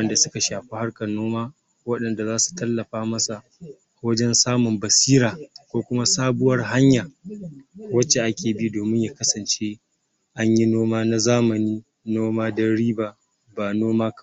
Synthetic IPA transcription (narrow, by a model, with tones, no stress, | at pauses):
ɐ˦nda˨sʊ˦ka˨ʃaː˨ɸi˦ha˦rkɐ˨noː˦maː˦ | wɐ˦ɗɐ˨nda˨zaː˦su̥˨tɐ˦lːɐ˨ɸaː˦mɐ˦sa˨ | wɐ˦d͡ʒɛ˦nsaː˦mʊ˨mbɐ˨siː˦ɾaː˨kʷoː˦kʷʊ˦ma˦saː˦bʊ˦wɐ˦rɦa˦ɲjaː˨ | wɐ˦t͡ʃe˨ʔa˦kʲeː˨bɪ˦u˦doː˨mɪ˦ɲjaː˨kɐ˦sɐ˨nt͡ʃe˦ | ʔa˦ɲji˦noː˦maː˦na˦zaː˦mɐ˨niː˦ | noː˦maː˦dɐ˦ɽiː˦baː˦ʔ | baː˨noː˦maː˦k